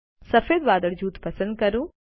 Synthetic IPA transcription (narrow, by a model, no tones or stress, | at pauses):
sɐfeːd̪ʋaːd̪əɽd͡ʒuːt̪pɐsə̃nd̪̚kɐɾũː